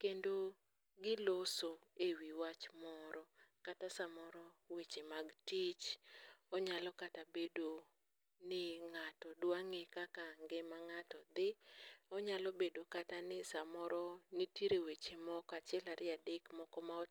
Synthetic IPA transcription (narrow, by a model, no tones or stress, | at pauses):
kendo | ɡɪlosoewiwat͡ʃmɔɾɔkatasamɔɾɔwet͡ʃemaɡtit͡ʃɔɲalɔkatabedo | nɪŋatɔdwaŋekakaŋɡemaŋatɔd̪ɪɔɲalɔbedokatanɪsamɔɾɔnitiɾewet͡ʃemɔkat͡ʃɛlaɾʔɪadekmɔkɔmaɔ